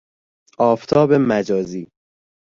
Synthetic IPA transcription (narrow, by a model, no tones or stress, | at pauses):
ʔɒːft̪ʰɒːbe̞mæd͡ʒɒːziː